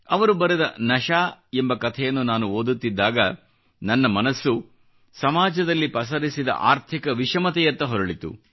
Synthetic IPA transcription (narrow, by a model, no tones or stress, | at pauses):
ɐʋɐɾubɐɾɛd̪ɐ̰nɐʃaːembɐkɐt̪ʰɛjɐnːunaːnuoːd̪ut̪ːid̪ːaːɡɐ | nɐnːɐmɐnɐsːu | sɐmaːd͡ʒɐd̪ɐlːipɐs̬ɐɾisid̪ɐ̰ʔaːɾt̪ʰikɐʋiʃɐmɐt̪ɛjɐt̪ːɐɦɔɾɐɭit̪ṵ